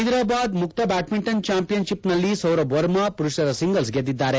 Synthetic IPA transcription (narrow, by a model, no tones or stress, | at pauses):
ɦid̪ɾaːbaːd̪mukt̪ɐbaːʈmiɳʈɐnt͡ʃaːmpijɐnʃipnɐlːisɐwɾɐbʋɐɾmɐpuɾuʃɐd̪ɐsiŋɡɐls̬ɡed̪ːid̪ːaːɾe